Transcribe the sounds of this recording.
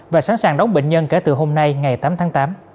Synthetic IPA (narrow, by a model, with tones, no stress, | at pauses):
vaː˨˩saː˨˦nsaː˨˩ŋɗɔ˨˦wŋ͡mɓḛ˧˨ŋ̟ɲə˧nke˧˩t̪ɨ˨˩ɦo˧mna˧jŋa˨˩jt̪aː˨˦mt̪ʰaː˨˦ŋt̪aː˨˦m